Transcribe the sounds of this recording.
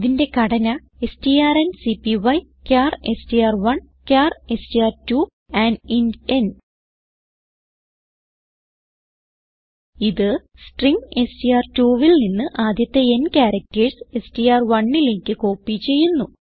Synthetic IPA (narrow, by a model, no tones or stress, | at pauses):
ðinde̞kɐɽɐnɐ | e̞stijaːrensipiʋɐj | kʲaːrestijaːrʋɐɳ | kʲaːrestiaːrtu | aninen | iðɨ | sʈriŋe̞stijaːrtuːʋilninːɨʔaːd̪jɐt̪ːe̞enkʲaːɾɐk̚tɐɻse̞stijaːrʋɐɳːiliŋkɨko̞ːpːit͡ɕːe̞jːunːu